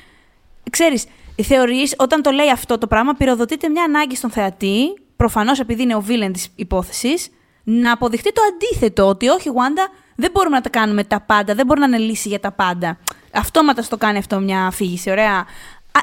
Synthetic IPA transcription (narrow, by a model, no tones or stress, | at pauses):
kse̞ɾisθe̞o̞ɾiso̞t̪ɐnt̪o̞le̞iɐft̪o̞t̪o̞pɾɐɣmɐpiɾo̞ðo̞t̪it̪e̞mɲɐːnɐɲɟist̪oθe̞ɐt̪i | pɾo̞fɐno̞se̞piðiine̞o̞vilent̪isipo̞θe̞̥sis | nɐːpo̞ðixt̪it̪oɐnd̪iθe̞t̪o̞ot̪io̞çiɣwɐnd̪ɐ | ðembo̞ɾume̞nɐt̪ɐkɐnume̞t̪ɐpɐnd̪ɐðembo̞ɾinɐnelisiʝɐt̪ɐpɐnd̪ɐ | ɐft̪o̞mɐt̪ɐst̪o̞kɐniɐft̪o̞mɲɐfiʝisio̞ɾe̞ɐ